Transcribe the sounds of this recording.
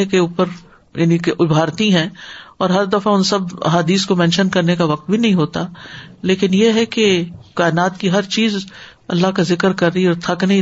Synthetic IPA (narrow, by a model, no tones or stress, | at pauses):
ekeuːpəɾ | jaːnikeʔʊbʱaːɾt̪iɦɛ̃ːɔːɾɦɐɾd̪ɐfaʊnsɐbɐ̰ɦaːd̪iːskomɛ̃ːnʃənkɐɾnekaʋɐq̚t̪̚bʱinɐɦĩɦoːt̪aleːkɪnjeɦɛkekaːɪnaːt̪kiɦɐɾt͡ʃiːz | ɐ̰lːaɦkazɪkəɾkɐɾːəiɔːɾt̪ʰɐknɐɦĩ